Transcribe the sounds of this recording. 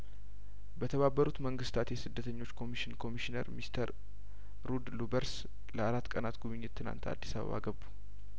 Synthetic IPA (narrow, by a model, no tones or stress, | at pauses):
bət̪ʰəβabːəɾut̪məŋɡɨst̪ʰat̪jɛsɨd̪ːət̪ʰəɲːo̞t͡ʃːkʰo̞miʃɪnkʰo̞miʃinə̰ɾmist̪ʰəɾː | ud̪lubəɾs | ləaɾat̪ːkʼənat̪ɡuβɨɲːɪt̪ʰːɨna̰nt̪a̰d̪ːisaβə̰βa̰ɡəbːu̥